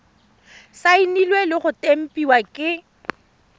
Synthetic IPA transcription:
sainilwelɪχʊtʼem̩pʼiwakʼɪ

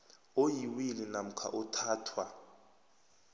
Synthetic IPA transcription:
ojiwilinam̩kʰa̰ʔutʰaːtʰwa

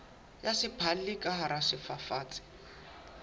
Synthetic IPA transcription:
jasɪpʰallikʼaɦaɾasɪfafaːt͡sʼɪ̥

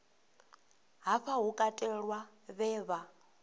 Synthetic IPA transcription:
ɦaɸaɦukʼatʼɛɺwaβɛːβa

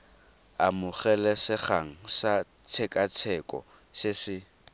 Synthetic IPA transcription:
a̰mʊχɛlɛsɪχaŋ̩sa | t͡sʰɛkʼat͡sʰɛkʼɔ̰ | sɪsɪ

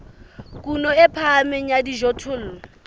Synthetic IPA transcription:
kʼunɔɛpʰamɛɲadiʒɔtʰʊl

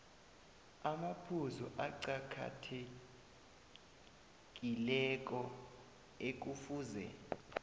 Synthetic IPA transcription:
amapʰuzɔʔaǀakʰa̰tʰe | k̬ʼilɛk̬ʼɔ | ek̬ufuːzɛ̰

